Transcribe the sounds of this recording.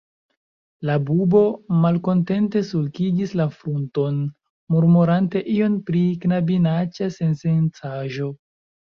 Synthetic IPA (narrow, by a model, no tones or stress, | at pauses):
labubo̞malko̞nte̞nte̞sulkid͡ʒislafɾunto̞n | muɾmuɾante̞ʔio̞npɾiknabinat͡ʃase̞nsent͡saʒo̞